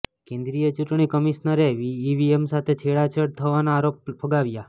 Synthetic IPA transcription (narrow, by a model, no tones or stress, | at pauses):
kẽnd̪ɾijət͡ʃuʈɳ̃ikəmiʃnəɾeʋiːʋiemsat̪ʰet͡ʃʰeɭat͡ʃʰəɽt̪ʰəʋanaːɾop̚pʰəɡaʋja